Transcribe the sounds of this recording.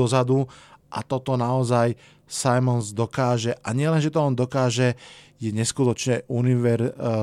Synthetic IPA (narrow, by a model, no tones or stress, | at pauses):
ɔzad̪uʔa̰t̪ɔt̪ɔnaɔzaj | sajmɔnzd̪ɔkaːʒɛʔaɲɪɛlɛnʒɛt̪ɔɔnd̪ɔkaːʒɛ | jɛɲɛskut̪ɔt͡ʃɲɛuniʋɛɾ